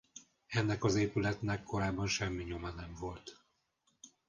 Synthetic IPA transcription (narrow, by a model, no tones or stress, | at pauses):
ɛnːɛkɒzeːpylɛt̪nɛkːo̞ɾaːbːɒnʃɛmːiɲo̞mɒnɛmvo̞lt̪